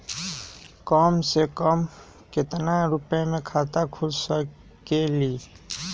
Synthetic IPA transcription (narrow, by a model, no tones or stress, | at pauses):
kɔːmsekɔːm | kɪt̪naɾʊpemẽkʰaːt̪akʰʊd͡ʒsə | keliː